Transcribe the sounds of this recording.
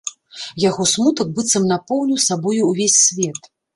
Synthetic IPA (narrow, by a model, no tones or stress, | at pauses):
jaɣɔsmut̪ɐk̚bɨt̪sɐmnapɔwnʲiwsabɔjuːvʲesʲːvʲɛt̪